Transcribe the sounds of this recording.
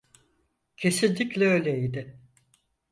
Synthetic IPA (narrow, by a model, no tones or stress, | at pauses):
cʰe̞sinʲd̪ʲiclʲɛøjlʲɛid̪ɪ